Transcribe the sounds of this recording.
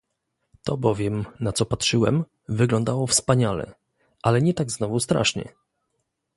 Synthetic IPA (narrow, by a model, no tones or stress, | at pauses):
t̪ɔbɔvʲjɛmnat̪sɔpatʂɘwɛm | vɘɡlɔnd̪awɔfspaɲalɛ̰ | ʔalɛɲɛt̪aɡznɔvust̪ɾa̰ʂɲɛ̰